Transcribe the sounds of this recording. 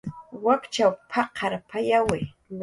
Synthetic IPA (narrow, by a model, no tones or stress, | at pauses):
wakt͡ʃawpʰaqʰaɾpʰajawɪ